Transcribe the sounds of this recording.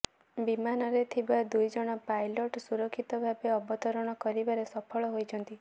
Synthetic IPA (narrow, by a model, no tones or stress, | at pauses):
bimanɔɾet̪ʰibad̪ujd͡ʒɔɽ̃ɔpajlɔʈsuɾɔkʰːit̪ɔbʱabeɔbɔt̪ɔɾɔɽ̃ɔkɔɾibaɾesɔpʰɔɭɔɦojt͡ʃʰɔnt̪i